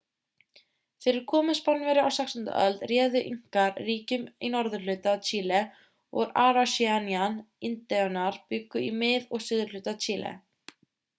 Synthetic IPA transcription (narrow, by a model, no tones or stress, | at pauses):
fɪɾɪɾ̥kʰɔːmɪnspɔnvɛɾɪa̰wsɛkst̪ʏn̥t̪a̰ʔœlt̪rjɛːðʏʔiŋ̥kaɾriːcʏminɔɾðʏɾlʏːt̪at͡ʃʰiːlɛ | ɔ̰ɣɾaːɾasianianɪnt̪ɛʏnaɾ̥pʏkːʏimɪðɔɣsʏːðʏɾlʏːt̪at͡ʃʰiːlɛ̰